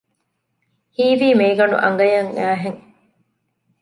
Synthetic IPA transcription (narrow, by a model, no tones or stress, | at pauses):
hiːʋiːmeːɡɐɳṵʔɐ̰ŋ̆ɡɐjɐŋːæːɦeŋ